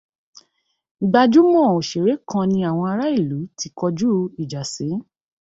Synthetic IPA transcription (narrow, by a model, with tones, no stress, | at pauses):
ɡ͡ba˧d͡ʒu˦mɔ̃˦˨o˨ʃe˨ɾe˨˦kã˧nĩ˧a˨w̃ɔ̃˧a˧ɾa˦i˦˨lu˨˦tʰi˧kɔ˧d͡ʒu˦i˨d͡ʒa˨sĩ˨˦